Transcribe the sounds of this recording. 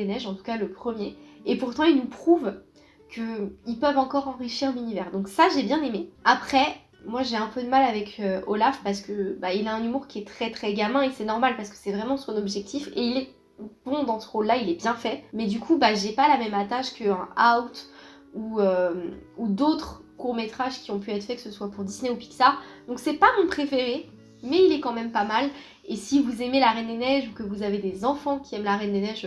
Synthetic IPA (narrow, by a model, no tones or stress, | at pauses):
enɛʒɑ̃t̪u̥kaləpχəmjeepuʁt̪ɑ̃ilnupχuv | kʰəilpœvɑ̃kɔʁɑ̃ʁiʃiʁlynivɛʁd̪ɔ̃ksaʒebjɛ̃nemeapχɛ | mwaʒeɛ̃pød̪əmalavɛkʰøo̰lafpaʁs̬ə̥kəbailaɛ̃nymuʁkʲiɛt̪χɛt̪χɛɡʲamɛ̃esɛnɔʁmalpaʁsə̥kə̥sɛvʁɛmɑ̃sɔ̃nɔbʒɛk̚t̪ʰifeilɛ | b̥ɔ̃d̪ɑ̃səʁolːailɛbjɛ̃fɛmɛd̪ykʰubaʒepalamɛmat̪aʃkəɛ̃awt̪ | uømud̪ot̪χkuʁmet̪χaʒkʲiɔ̃p̬yɛt̪χfɛkə̥səswapuʁd̪isneupi̥ksad̪̥ɔ̃ksɛpamɔ̃pχefeʁe | mɛilɛkɑ̃mɛmpamal | esivuzemelaʁɛnd̪enɛʒukəvuzaved̪ezɑ̃fɑ̃kʲiɛmlaʁɛnd̪enɛʒ